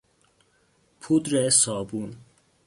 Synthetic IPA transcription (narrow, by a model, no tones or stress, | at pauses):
pʰud̪ɾesɒːbun